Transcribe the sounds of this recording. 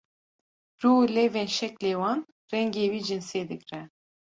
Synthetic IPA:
rulɛvɛnʃɛklewɑn | rɛŋɡewid͡ʒɨnsed̪ɨkrɛ

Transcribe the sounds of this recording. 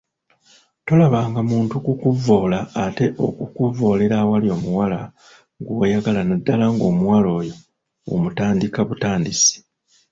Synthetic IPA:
to̞laβaːŋɡamuːntukukuvːo̞ːlaːte̞ʔokukuvo̞ːle̞ɾawaljo̞ːmuwala | ŋɡojaɡalanadːalaŋɡo̞ːmuwalo̞ːjo̞ | o̰mutaːndikaβutaːndisi̥

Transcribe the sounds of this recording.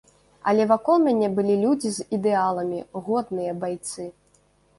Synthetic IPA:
ɐ̰lʲɛvakɔlˠmʲanʲɛbɨlʲilʲud͡zʲizid̪ɛalˠɐmʲiɣɔd̪nɨjɐbajt̪sɨ

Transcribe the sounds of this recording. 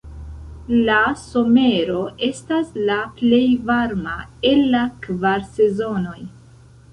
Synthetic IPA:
laso̞me̞ɾo̞ʔe̞staslaple̞jvaɾmae̞lːakvaɾse̞zo̞no̞j

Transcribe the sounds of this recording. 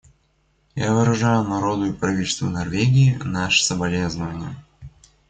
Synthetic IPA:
javɨɾɐʐajʊnɐɾod̪ʊjɪpɾɐvʲit̪ʲɪlʲst̪və̰nɐrvʲeɡʲɪːnaʂə̥səbɐlʲeznəvənʲɪjə

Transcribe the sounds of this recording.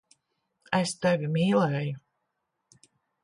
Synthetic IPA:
ɛst̪ɛvʲimiːlɛju

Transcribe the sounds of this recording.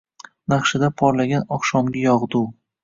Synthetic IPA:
naχʃɪd̪apʰɒɾlaɡʲanɒχʃɒmɡʲajɒʁd̪u

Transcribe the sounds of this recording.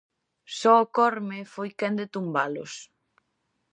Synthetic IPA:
sɔʊkɔɾmɪfojkɛnd̪et̪umbalʊ̰s

